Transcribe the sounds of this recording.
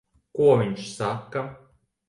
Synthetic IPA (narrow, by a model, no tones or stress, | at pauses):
kuɔvʲiɲʃsakːa